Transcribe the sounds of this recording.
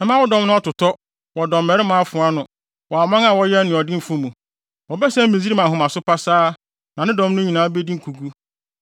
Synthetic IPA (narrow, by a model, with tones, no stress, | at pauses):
ɛ˨˦mã˦wɔ˦dɔ̃˦mnʊ̃˦ɔ˦tʊ˨tʰɔ˦ | wɔ˨dɔ̃˨mːɛ˨ɾɪ˦mʊ̃˨˦a˦fʊ̃˨a˦nʊ̃˨ | wɔ˨a˨mã˦ŋa˨wɔ˦jɛ˦nɪ̃˨ɔ˨dɪ̃˦m̩˨fũ˦mũ˨ | wɔ˨bɛ˦sɛ̃˦m̩˦mĩ˨zi˦ɾi˦mã˨ɦʊ̃˨mã˨sʊ˦pa˦saː˦ | nã˨nɪ̃˦dɔ̃˦m˦nʊ̃˦ɲĩ˨nãː˨˦be˦di˦ŋ̩˦kʰu˨ɡu˦